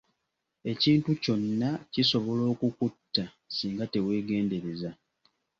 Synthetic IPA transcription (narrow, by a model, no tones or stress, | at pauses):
e̞ciːntuco̞nːaciso̞βo̞lo̞ːkukutːa | siːŋɡate̞we̞ːɡe̞ːnde̞ɾe̞za